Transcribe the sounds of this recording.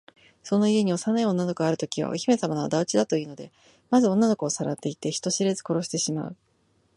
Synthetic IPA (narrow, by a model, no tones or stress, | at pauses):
so̞no̞ie̞ɲ̟io̞sanaio̞nːano̞koaɾɯ̟t̪o̞kʲiβa̰o̰çime̞samanaad̪aɯ̟t͡ɕid̪at̪o̞iɯno̞d̪e̞̰ | mazɨõ̞nːano̞kɯːsaɾat̪ːe̞it̪e̞çi̥t̪o̞ɕiɾe̞zɨko̞ɾo̞ɕi̥t̪e̞ɕima̰ɯ̟